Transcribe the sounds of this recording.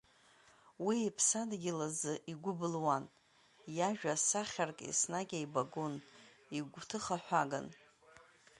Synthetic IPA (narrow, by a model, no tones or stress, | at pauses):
wiːpʰsadɡʲɪlazɨʔiɡʷʊbɨlwan | jaʒᶣasaχʲarkʼḭsnaɡʲaibaɡon | iɡʷtʰɨχaħʷᶣaɡa̰n